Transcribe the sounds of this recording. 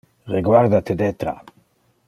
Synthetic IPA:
reɡwaɾd̪at̪ed̪ɛt̪ɾa̰

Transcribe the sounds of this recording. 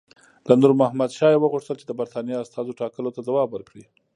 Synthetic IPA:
land̪uɾmʊhamad̪ʃɑjewəɣuʂt̪əlt͡ʃed̪əbaɾt̪ɑnijeast̪ɑzoʈɑkəlot̪ad̪awɑbwəɾkɽi

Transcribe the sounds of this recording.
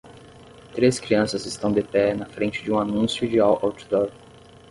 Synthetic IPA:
t̪ɾeskɾiɐ̃sɐzɪst̪ɐ̃w̃d̪epɛnɐfɾẽnt͡ʃɪd͡ʒɪũanũsjʊd͡ʒɪawʔawt͡ʃu̥d̪ɔɾɡ

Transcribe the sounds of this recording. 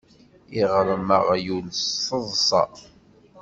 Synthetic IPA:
iʁɾˤəməʁjulsəðˤsˤɑ̰

